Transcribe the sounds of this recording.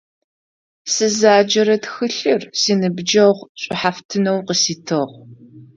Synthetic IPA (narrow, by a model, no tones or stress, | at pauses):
sɨzaːd͡ʒɐɾɐtxɨɬɨrsiːnɨbd͡ʒɐʁʷɕʷʼɪħaftʰɨnɐwqəsiːtʰɨʁʷ